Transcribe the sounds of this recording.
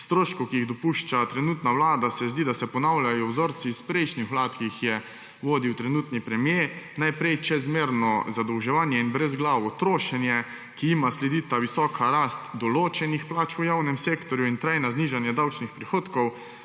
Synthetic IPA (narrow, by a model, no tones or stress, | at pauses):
st̪ɾoːʃkɔkiiɣd̪ɔpuʃt͡ʃat̪ɾɛnuːt̪naʋlaːd̪asɛzd̪iːd̪asɛpɔnawljajɔwzoɾt̪sispɾɛjʃnixʋlaːt̪kixjɛ | ʋoːd̪iwt̪ɾɛnuːt̪nipɾɛmjenajpɾɛjt͡ʃɛzmeːɾnɔzad̪ɔwʒɛʋaːnjɛinbɾɛzɡlawɔt̪ɾoːʃɛnjɛ | kiimaslɛd̪iːt̪aʋisɔːkʰaɾast̪d̪ɔloːt͡ʃɛnixplaːt͡ʃujawnɛmseːkt̪ɔɾjuint̪ɾajnazniːʒanjɛd̪awt͡ʃnixpɾixoːt̪kɔw